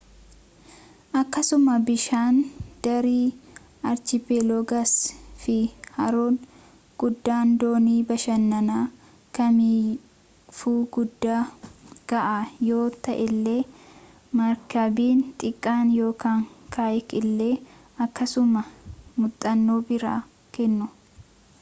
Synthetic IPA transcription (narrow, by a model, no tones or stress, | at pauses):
ʔɐkːɐsʊmɐbɪʃaːnd̪̥ɐɾiː | ɐɾt͡ʃɪpeloɡɐsfɪhɐɾoːn | ɡ̥ʊd̪ːaːnd̪o̞ːniːbɐʃɐnːɐnaː | kɐmiː | fuːɡʊd̪ːaːɡ̥ɐʔaːjoːt̪ɐʔɛlːeː | mɐɾkɐbiːnt̪ʼɪkʼːaːnjo̞ːkaːŋkʰaːjkɪlːe̞ː | ɐkːɐsʊmɐmʊt̪ʼːɐnːoːbɪɾa̰ː | kɛnːʊ